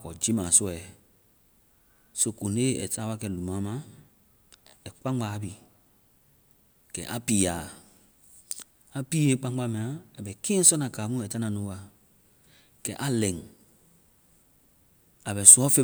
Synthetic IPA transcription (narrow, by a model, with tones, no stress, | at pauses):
kɔ̰˨d͡ʒi˦mã˨sɔ˦ɛ˨ | so˨ko˨ne˦ɛ̰˨ta˦wa˦kɛ˨lu˨mã˨˦mã˦ | ɛ˨k͡pã˦ŋɡ͡ba˨˦bi˨ | kɛ̰˨ʔa˦pi˨ja˨ | a˨pi˦je˦k͡pã˦ŋɡ͡ba˦mɛ̃˨a˨a˨bɛ˨kẽ˦ɛ̃˦sɔ˦nã˨ka˨˦mũ˦ɛ˨ta˦nã˨nũ˦wa˨ | kɛ̰˨ʔa˦lɛ̃˨ŋ | a˨bɛ˨sɔ˦fe˦